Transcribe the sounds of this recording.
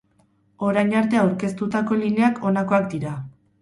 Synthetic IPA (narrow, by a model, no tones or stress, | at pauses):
o̞ɾajɲaɾt̪e̞awɾke̞st̪ut̪ako̞line̞akʰo̞nako̞akd̪iɾa